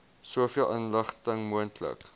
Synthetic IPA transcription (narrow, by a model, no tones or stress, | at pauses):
suəfiəlˠʔənləχtəŋmuəntʰlə̰k